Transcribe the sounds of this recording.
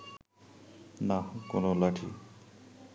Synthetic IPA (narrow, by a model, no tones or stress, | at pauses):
nakonolaʈʰḭ